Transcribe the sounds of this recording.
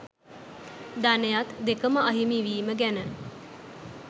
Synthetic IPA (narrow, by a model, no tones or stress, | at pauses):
d̪anejat̪d̪ekəməɐɦimiʋiːməɡænə